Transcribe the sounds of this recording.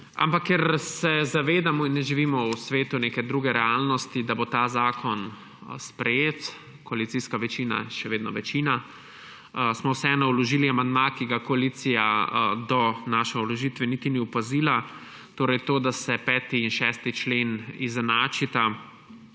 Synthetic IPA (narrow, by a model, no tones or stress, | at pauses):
a̰mpakʰːɛɾsɛzaʋeːd̪amɔinːɛʒiʋiːmɔwsʋeːt̪unekɛd̪ɾuːɡɛɾɛaːlnɔst̪id̪abot̪aːzaːkʰɔn | spɾɛjeːt̪ | kɔalit̪siskaʋɛt͡ʃiːna̰ʃɛʋeːd̪nɔʋɛt͡ʃiːna | smɔwsɛɛːnɔulɔʒiːliamand̪maːkiɡakɔaliːt̪sijad̪ɔnaːʃɛulɔʒiːt̪ʋɛnit̪iniupaziːla | t̪oːɾɛjt̪oːd̪asɛpɛːt̪iinʃɛːst̪it͡ʃleːnizɛnaːt͡ʃit̪a